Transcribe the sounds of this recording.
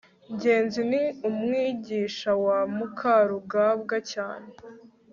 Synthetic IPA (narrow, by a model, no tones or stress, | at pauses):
ɲɟe̞ːnziniumŋiːɟiːʃawamukʰaɾuɡaːbɡacaːne